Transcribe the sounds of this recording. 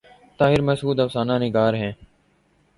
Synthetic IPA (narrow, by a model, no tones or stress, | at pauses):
t̪aːɦɪɾməsuːd̪əfsaːnãːnɪɡaːɾɦɛ̃ː